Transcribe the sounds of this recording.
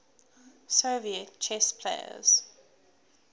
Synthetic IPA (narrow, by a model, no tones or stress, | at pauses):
soːviətt͡ʃʰɛspʰlḛɪə̰z̥